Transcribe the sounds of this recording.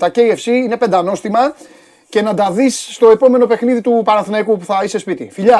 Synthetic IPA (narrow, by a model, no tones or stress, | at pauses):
t̪ɐce̞iefsiine̞pe̞nd̪ɐno̞st̪imɐ | ce̞nɐd̪ɐðisːt̪o̞e̞po̞me̞no̞pe̞xniðit̪upɐɾɐθnɐikupuθɐise̞spit̪ḭfiʎɐ